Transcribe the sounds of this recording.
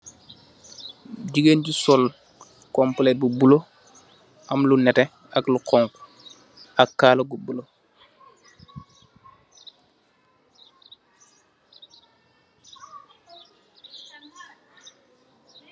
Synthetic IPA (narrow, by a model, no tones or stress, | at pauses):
ɟiɡenɟisɔl | kɔmplɛbubulo | ʔamlunɛtɛ | a̰kluqɔŋk | akkːaːlobubulo